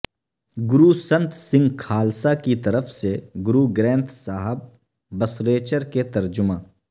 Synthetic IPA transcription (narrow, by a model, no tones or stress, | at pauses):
ɡʊɾusɐ̃nt̪sɪ̃ŋɡkʰaːlsakit̪ɐɾəfseɡʊɾuɡɾɛ̃ːnt̪ʰsaːɦəb̚ː | ɐsɾeːt͡ʃəɾket̪ɐɾd͡ʒʊmãː